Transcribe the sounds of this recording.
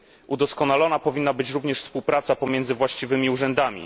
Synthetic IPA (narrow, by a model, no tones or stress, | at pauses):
ʔud̪ɔskɔnalɔnapɔvʲinːabɘt͡ɕɾuvɲɛʂfspuwpɾat̪sapɔmʲjɛnd̪zɘvwaɕt͡ɕivɘmʲiuʐɛnd̪amʲḭ